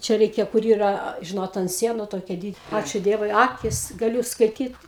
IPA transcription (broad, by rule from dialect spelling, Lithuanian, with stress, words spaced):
ˈt͡ʃʲɛ ˈrʲɛɪkʲɛ kʊr ˈiːrɐ ˈʒʲɪnoːt ɐnt ˈsʲiɛnʊ ˈtoːkʲiɛ ˈdʲiːt ˈɑːt͡ʃʲʊ ˈdʲiɛʋʊɪ ˈɑːkʲɪs ɡɐˈlʲuː skɐɪˈtʲiːt